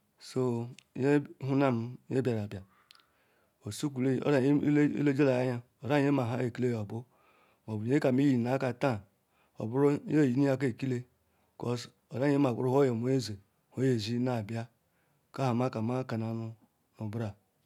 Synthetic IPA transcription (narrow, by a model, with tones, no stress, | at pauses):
so˦je˦ɦu˦na˦m˦je˦bʲa˨ɾa˨bja˨ | o˨su˦ku˨le˦o̰˦ɾa˨˦ḭ˦lo˦d͡ʒe˦la˨ja˦ɲa˦ | o˨ɾa˦e˦ma˨ɦa˦e˨ki˦le˦jo˨bu˦ | mo˨bu˨e˦ka˨mi˦ji˦˨na˦ka˨ta˦ | o̰˨bu˦ɾo˦e˦˨ji˨˦ni˦a˦k̬e˦˨ki˦le˦˨ | ko˨s | o˨ɾa˦e˦ma˨u˦ɾu˦ho˦je˨mo˨˦e˦ze˨ | ho˨˦je˨zi˦na˦˨bja˦ | ka˦ha˨ma˦ka˨ma˦ka˨na˨nu˦ | u˨bɾa˨